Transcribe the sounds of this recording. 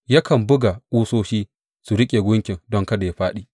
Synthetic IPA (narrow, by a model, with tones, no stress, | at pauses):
ja˦kɐ˨mbʊ˦ɡa˨ʔuː˦soː˦ʃiː˦ | su˨ɾɪ˦kʲʼe˨ɡʷʊ˦ŋkʲɪ˨ŋdɔ˦ŋkɐ˦da˨ja˦ɸaː˦ɗiː˦˨